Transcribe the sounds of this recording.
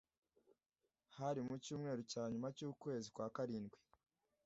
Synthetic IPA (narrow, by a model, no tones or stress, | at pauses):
haɾimucuːmŋe̞ːɾucaːɲumacuːkwe̞ːzikwaːkaɾiːnɡwi̥